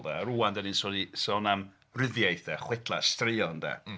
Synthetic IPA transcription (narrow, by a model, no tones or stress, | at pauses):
ðɛ̰ɾuːandɛninsɔdisɔnam | rɪðjajθdɛχwɪtʰlˠastrɪɔnda̰